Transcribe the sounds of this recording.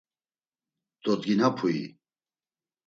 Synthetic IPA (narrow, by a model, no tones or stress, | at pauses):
t̪ʼɔt̪ɡinapʰuḭ